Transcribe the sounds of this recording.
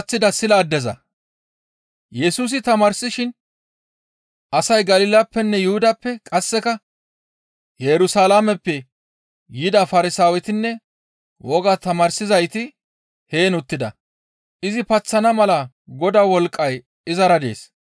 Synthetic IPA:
t͡sːɪd̪ɐsɪlaːd̪ːɛzɐ̰ | jɛsuːs̬ɪt̪ɐmɐɾsɪʃɪn | ʔɐsɐjɡɐlɪːlɐpːɛnːɛjʊhʊd̪ɐpːɛkʼɐsːɛkɐ | jɛɾʊsalamɛpːɛ | jɪd̪ɐfɐɾɪsaːwɛt̪ɪnːɛ | wɔɡat̪ɐmɐɾsɪzɐjt̪ɪ | he̞ːnʊt̪ːɪd̪ɐ̰ | ʔɪzɪpɐt͡sːɐnɐmɐlɐ | ɡɔd̪awɔlkʼːɐj | ɪzɐɾɐd̪e̞̰ːs

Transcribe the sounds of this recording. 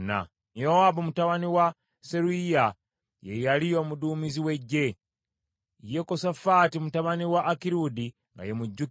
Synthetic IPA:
na̰ | joabomutaβaniwa | se̞ɾuija | jejalijo̞ːmuduːmiziwe̞ɟːe̞ | jekosafaːtimutaβaniwaʔːkiɾudi | ŋɡa̰jemuɟːu

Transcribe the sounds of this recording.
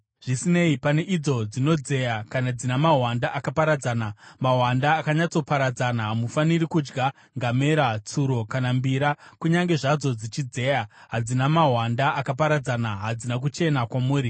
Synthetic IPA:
ʐ̥isine̞ipane̞ʔid͡zo̞d͡zino̞d͡ze̞jakanad͡zinamaɦwandaʔakapaɾad͡zaːnamaɦwandaːkaɲat͡so̞paɾad͡zanaɦamufaniɾikud͡ʒɡa | ŋɡame̞ɾat͡suɾo̞kanambiɾakuɲaŋɡe̞ʐad͡zo̞d͡zit͡ʃid͡ze̞jaɦad͡zinamaɦwandaʔakapaɾad͡zanaɦad͡zinak̬ut͡ʃe̞nakwamuːɾi

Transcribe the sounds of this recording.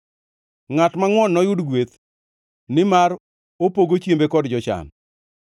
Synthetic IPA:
ŋatmaŋwɔnːɔjʊdɡwet̪ | nɪmar | opoɡot͡ʃjembekɔdd͡ʒɔt͡ʃa̰n

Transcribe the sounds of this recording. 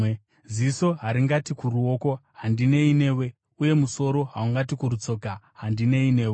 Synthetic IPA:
ziso̞ɦaɾiŋɡatikuruo̞ko̞ɦandine̞ine̞ːwe̞ | uje̞muso̞ɾo̞ɦauŋɡatikuɾut͡so̞ka | ɦandine̞ine̞ːwe

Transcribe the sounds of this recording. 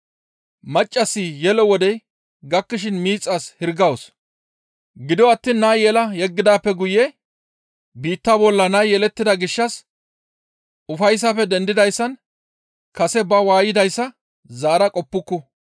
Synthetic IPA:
mɐt͡ʃʼːɐsːijɛlɔwɔd̪ɛj | ɡɐkːɪʃ̬ɪnmiːt͡sʼːaːshɪɾɡɐwʊs | ɡɪd̪ɔɐt̪ːiːnːɐjɛlɐjɛɡːɪd̪aːpːɛɡʊjɛ | biːt̪ːabɔlːɐnɐjjɛlɛt̪ːɪd̪ɐɡɪʃːɐs | ʊfɐjs̬ːɐfɛd̪ɛnd̪ɪd̪ɐjsːɐn | kɐsɛbɐwaːjɪd̪ɐjsːɐ | zaːɾɐkʼɔpːʊkːɔ

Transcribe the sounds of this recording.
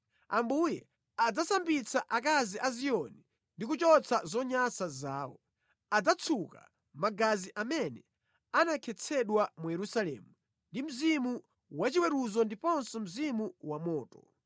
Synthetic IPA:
ambujɛ | ad͡zasambit͡sʰaʔakaziʔaziɔni | ndikut͡ʃɔt͡sʰazɔɲasazaːwɔ | ad͡zat͡sʰuka̰ | maɡaziʔamɛnɛ | anakʰɛt͡sʰɛɗwamujɛɾusalɛ̰mu | ndim̩zimu | wat͡ʃiwɛɾuzɔndipɔnsɔm̩zimuwamɔːtɔ̥

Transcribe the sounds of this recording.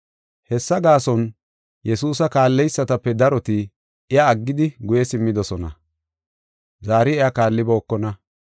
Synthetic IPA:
hɛsːɐɡaːsɔn | jɛsuːsɐkaːlːɛjsːɐt̪ɐpːɛd̪ɐɾɔt̪ɪ | ɪjaːɡːɪd̪ɪɡʊjɛsɪmːɪd̪ɔsɔnɐ̰ | zaːɾɪɛjakaːlːɪbɔːkːɔnɐ

